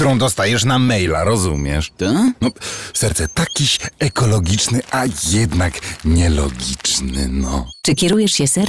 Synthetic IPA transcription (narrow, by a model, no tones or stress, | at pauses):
t̪uɾɔ̃w̃d̪ɔst̪ajɛʂnamɛjla̰ɾɔzumʲjɛʂnɔfsɛɾt̪sɛt̪akʲiɕɛkɔlɔɡʲit͡ʂnɘʔajɛd̪nakɲɛlɔ̰ɡʲit͡ʂnɘ̰nɔ̰t͡ʂɨkʲɛɾujɛʂɕɛsɛɾ